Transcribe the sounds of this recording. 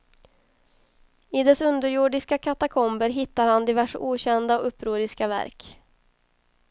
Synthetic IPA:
ɪd̪ɛsɵnd̪əɾjʊɖɪskakʰat̪akʰɔmbəɾɦɪt̪ːaɾhand̪ɪvæʂuːɕɛnd̪aɔɵpːɾuːɾɪskavæ̰ɾk

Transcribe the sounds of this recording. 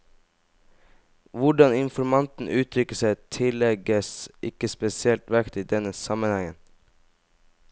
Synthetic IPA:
ʋʊɖɑnɪnfɔɾmɑnt̪n̩ʔʉːt̪ʰɾʏkəsæɪt̪ʰɪlɛɡəsʔɪkəspɛsɪɛlt̪ʋækt̪iːd̪ɛnəsɑmənhɛŋən

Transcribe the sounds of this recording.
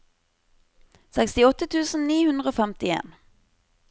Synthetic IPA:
sɛkst̪ɪɔt̪ət̪ʰʉːsn̩niːhʉnd̪ʁəoːfɛmt̪ɪḛːn

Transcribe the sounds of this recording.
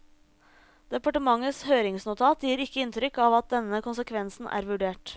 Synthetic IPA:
d̪̥ɛpɑʈəmɑŋəshøːɾɪŋsnʊt̪ʰɑːt̪jiːɾɪkːəɪnt̪ʰɾʏkːɑːʋɑt̪̚d̪ɛnːəkʊnsəkʰʋɛnsn̩ʔæ̰ːɾʋʉɖeːʈ

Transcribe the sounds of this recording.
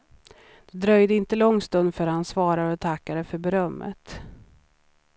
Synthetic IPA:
d̪̥ɛd̪ɾœjd̪əɪnt̪əlɔŋːst̪ɵnd̪fœɾhansvɑːɾaɾɔt̪ʰakːaɾəfœɾbɛɾœmːə̰t̪

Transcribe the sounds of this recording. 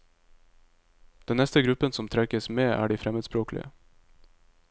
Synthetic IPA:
d̪̥ɛnnɛst̪əɡɾʉpənsɔmt̪ʰɾɛkəsmeːʔæ̰ːɖiːfɾɛməd̪spɾoːklɪ̰ə̰

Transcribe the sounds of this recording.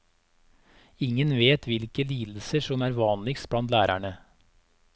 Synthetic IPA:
ɪŋənʋeːt̪ʰʋɪlkəliːd̪l̩səʂɔmæːɾʋɑːnlɪks̚blɑnt̪læːɾæ̰ɳə

